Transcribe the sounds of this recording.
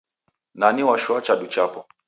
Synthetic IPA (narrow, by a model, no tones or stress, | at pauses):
naniwaʃwat͡ʃaɗut͡ʃapɔ